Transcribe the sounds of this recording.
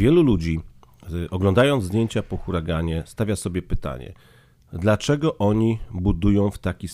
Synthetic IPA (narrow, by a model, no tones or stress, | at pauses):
vʲjɛlulud͡ʑi | ɔɡlɔ̃nd̪ajɔnd̪d̪jeɲt͡ɕapɔxuɾaɡaɲɛst̪avʲjasɔbʲjɛpɘt̪a̰ɲɛ̰ | d̪lat͡ʂɛɡɔʔɔɲibud̪ujɔ̃w̃ft̪akʲis